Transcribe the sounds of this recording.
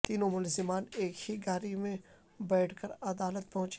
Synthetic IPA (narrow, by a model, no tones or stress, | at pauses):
t̪iːnõmʊlzɪmaːneːkhiɡaːɾimẽ | bɛːʈʰkəɾɐd̪aːlət̪̚pɐɦʊ̃t͡ʃ